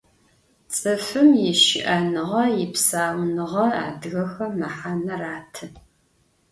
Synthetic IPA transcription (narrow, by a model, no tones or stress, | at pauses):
t͡sʼɨfɨmjɪʃɪ̰ʔɐnɨʁɐjɪpsaːwnɨʁɐa̰ːdɣɐxɐmɐħanɐraːtʰɨ